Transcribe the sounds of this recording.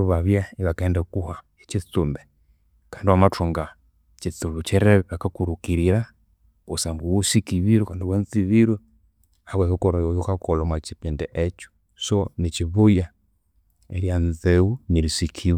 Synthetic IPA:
uβaβjaiβakaɛndakuha | ɛt͡ʃiθumbɛ | kandiwamatuŋɡa | t͡ʃiθuβut͡ʃɛɾɛβakakuɾukiɾiɾa | usambuwusikiβiɾɔkandiwɛnθiβiɾwɛ | hawɛβɔkɔɾɔjɔjukakɔlɔmwat͡ʃipɛndɛʔɛt͡ʃu̥ | sɔnit͡ʃiβuja | ɛɾjanzɛuniɾisikʰiβ

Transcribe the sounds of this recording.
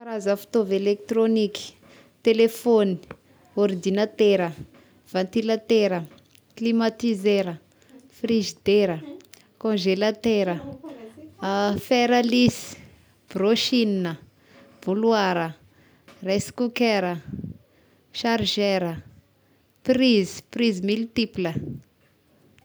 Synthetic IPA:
aɾazafu̥t̪ovelek̚t̪ɾoniki̥ | t̪elefoni̥ | ɔɾd̪inat̪eɾə | v̥ãnt̪ilat̪eɾə | klimat̪izeɾə | friʒid̪eɾə | kõʒelat̪eɾə | fɛɾalisi̥ | b̥roʃininə | v̥uluaɾə | rɛskukɛɾə | ʃaɾʒeɾə | prizi̥prizimilt̪iplə

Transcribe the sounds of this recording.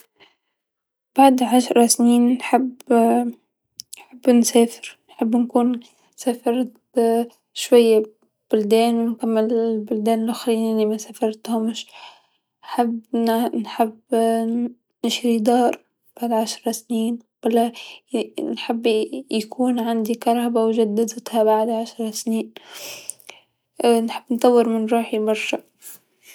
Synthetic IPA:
b̥aʕd̪ʕaʃɾˤɑsniːnnħɪbː | nħɪbːnseːfɪɾnħɪbːnkuːn | saːfɑɾˤ | ʃwajːa | b̥ʊld̪eːnnkamːɪllbʊld̪ɛːnɪlʔʊxɾiːnanimasafɑɾˤt̪hʊmʃ | ħabnħɪbː | nɪʃɾid̪ɑːɾˤ | b̥aʕd̪ʕaʃɾˤɑsniːnb̥alːa | nħɪbːjakʰuːnʕand̪ikɑɾˤhabawʒad̪ːad̪ɪt̪habaʕd̪ʕaʃɾˤɑsniːn | nħɪbːnt̪ˤɑwːɪɾmɪnɾuːħibɑɾˤʃɑ

